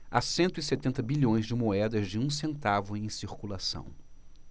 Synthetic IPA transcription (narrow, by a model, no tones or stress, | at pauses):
a̰sẽnt̪ʊɪset̪ẽnt̪ɐbiʎõj̃zd͡ʒɪmoɛd̪ɐzd͡ʒɪũsẽnt̪avʊẽj̃siɾkulasɐ̰̃w̃